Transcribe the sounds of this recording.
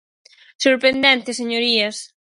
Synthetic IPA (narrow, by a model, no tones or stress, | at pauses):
soɾpɾend̪ɛnt̪eseɲoɾias